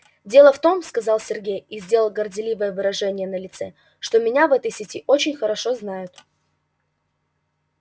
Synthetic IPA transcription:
dʲe̞lˠəft̪o̞mskɐzɑlˠsʲɪrɡʲejizʲdʲe̞lˠəlˠɡərdʲɪlʲivəjəvɨɾɐʐɛnʲɪjənəlʲɪt̪sɛ | ʂt̪o̞mʲɪnʲavɛt̪əjsʲɪtʲiʔot͡ɕɪnʲxəɾɐʂo̞znajʊt̪

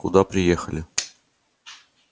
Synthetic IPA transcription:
kud̪ɑpɾʲɪjexəlʲɪ

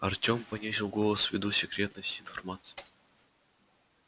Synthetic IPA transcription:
ɐrtʲompɐnʲisʲɪlˠɡolˠəsvʲɪd̪usʲɪkɾʲet̪nəsʲtʲɪnfɐrmat̪sɨ̥jɪ

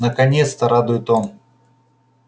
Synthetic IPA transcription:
nəkɐnʲet̪st̪əɾad̪ʊjɪt̪om

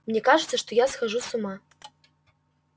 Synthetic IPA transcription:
mnʲɛkaʐɨt̪sːɐʂt̪ojasxaʐusuma

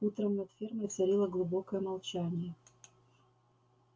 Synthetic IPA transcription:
ut̪ɾəmnɐt̪fʲerməjt̪sɐɾʲilˠəɡlˠʊbokəjəmɐlˠt͡ɕanʲɪjə

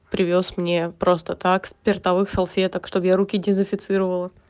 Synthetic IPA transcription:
pɾʲɪvʲo̞smnʲepɾo̞st̪ət̪akspʲɪrt̪ɐvɨxsɐlˠfʲet̪əkʂt̪o̞bjaɾukʲɪdʲɪzɪfʲɪt̪sɨɾəvəlˠə

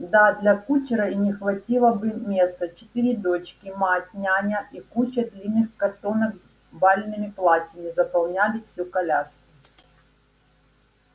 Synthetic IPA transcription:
d̪ad̪lʲɐkut͡ɕɾɐinʲɪxvɐtʲilˠəbɨmʲest̪ɐt͡ɕɪ̥t̪ɨɾʲɪd̪o̞t͡ɕkʲɪmatʲnʲanʲɐʔikut͡ɕəd̪lʲinːɨxkɐt̪onɐɡz | balʲnɨmʲɪplˠatʲɐmʲɪzɐpɐlˠnʲalʲɪfsʲukɐlʲaskʲɪ̥

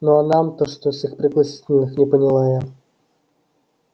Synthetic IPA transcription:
noɐnamt̪oʂt̪osʲɪxpɾʲɪɡlˠɐsʲi̥tʲɪlʲnɨxnʲɪpənʲɪlˠajə

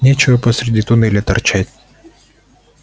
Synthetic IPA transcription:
nʲet͡ɕɪvəpəsɾʲɪdʲit̪ʊnɛlʲɪt̪ɐrt͡ɕætʲ

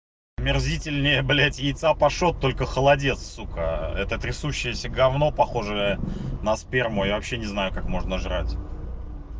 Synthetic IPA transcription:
mʲɪrzʲitʲɪlʲnʲɪjəblʲætʲjɪjt̪sapɐʂo̞t̪ːo̞lʲkəxəlˠɐdʲe̞t̪ssukaɛt̪ət̪ɾʲɪsuɕːɪjəsʲəɡɐvno̞pɐxo̞ʐɨjənəspʲermʊjavɐpɕːenʲɪznajʊkakmo̞ʐnəʐɾatʲ

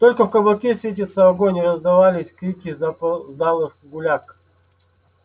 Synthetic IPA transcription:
t̪o̞lʲkəfkəblˠɐkʲesʲvʲet̬ʲɪt̪səɐɡonʲɾəzd̪ɐvalʲɪsʲkɾʲikʲɪzapzd̪alˠɨxɡʊlʲak

